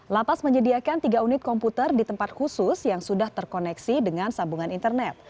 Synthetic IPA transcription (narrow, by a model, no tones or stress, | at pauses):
lapasməɲədiakant̪iɡaunɪt̪̚kɔmput̪ərdit̪əmpat̪̚husʊsjaŋsudaht̪ərkonɛksidəŋansambuŋanint̪ərnɛt̪̚